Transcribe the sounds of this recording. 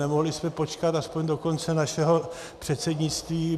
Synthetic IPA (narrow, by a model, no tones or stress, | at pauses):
ɛmo̞ɦlɪsmɛpo̞t͡ʃkat̪aspoɲdo̞ko̞nt͡sɛnaʃɛɦo̞ | pr̝̥ɛt̪sɛdɲɪt͡st̪viː